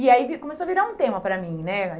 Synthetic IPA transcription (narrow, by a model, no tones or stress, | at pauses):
ɪaivikõmesoɐviɾaũt̪ẽmɐpɾɐmĩnɛɐ